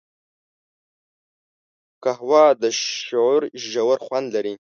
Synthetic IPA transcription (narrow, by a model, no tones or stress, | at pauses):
kahwɑd̪əʃouɾʒawəɾχwʷand̪laɾi